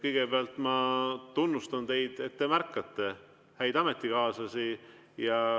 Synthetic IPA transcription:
kɤjɡ̥ebeɑlt̪ˑmɑt̪unːust̪ɑnt̪e̞jd̪̥et̪ːemærkːɑt̪ːe̞ | hæjd̪̥ɑme̞t̪ˑːikɑːsɑsi | jɑ

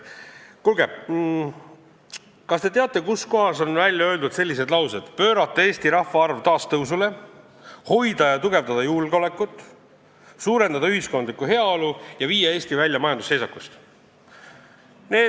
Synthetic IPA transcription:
kulɡe | kɑst̪e̞t̪eɑt̪ːˑe̞kusko̞ɦɑso̞nvælʲjɑø̞ːld̪ud̪̥se̞lːise̞d̪lɑwsed̪̥pø̞ːɾɑt̪ːˑee̞ːst̪iɾɑhfːɑɑrvt̪ɑːst̪ɤws̬ule̞ | ho̞jd̪̥ɑjɑt̪uɡe̞vd̪ɑd̪̥ɑjulɡ̥o̞le̞kːˑut̪ːˑ | suːɾe̞nd̪ɑd̪ɑyhisko̞nd̪likːˑuɦe̞ɑolujɑviːjeeːsʲt̪ivælʲjɑmɑjɑnd̪usːe̞jsɑkust̪ | ne̞ː

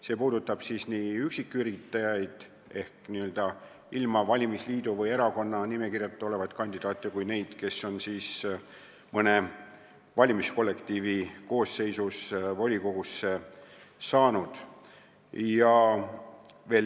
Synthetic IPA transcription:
se̞ːpuːd̪̥ut̪ːˑɑb̥siːsniyksikːˑyɾit̪ːˑɑjɑjd̪̥ | e̞hkniø̞ld̪̥ɑ | ilmɑvɑlʲimisliːd̪uvɤjeɾɑko̞nːɑnime̞kirjɑt̪ːˑo̞le̞vɑt̪ˑkɑnʲd̪̥id̪ɑːt̪ːˑekujne̞jd̪̥ke̞sːo̞nsiːs | mɤne̞ | vɑlʲimisko̞lːe̞kt̪iːviko̞ːsːe̞jsusvo̞lʲiko̞ɡusːe | sɑːnud̪̥ | jɑ | ve̞ːl

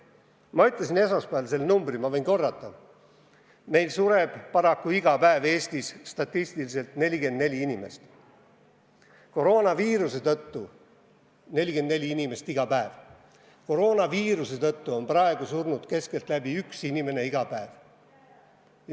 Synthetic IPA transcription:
mɑyt̪ːˑlɑs̬ine̞sospæɑlse̞lːnumbrimɑve̞inko̞rːɑt̪ːˑɑ | me̞jlsuɾeb̥pɑɾɑkːuiɡ̥ɑpæeve̞ːst̪isːt̪ɑt̪ˑːist̪ilise̞lt̪ne̞lʲiɡe̞nd̪ne̞lʲiinʲime̞̰st̪ | ko̞ɾo̞ːnɑviːɾuse̞t̪ɤt̪ːu | ne̞lʲike̞nd̪ne̞lʲiinʲime̞st̪iɡ̥ɑpæev | ko̞ɾo̞ːnɑviːɾuse̞t̪ɤt̪ːuo̞nprɑe̞ɡ̥usurnud̪̥ke̞ske̞lt̪ˑlæbiyksinime̞ne̞iɡ̥ɑpæev

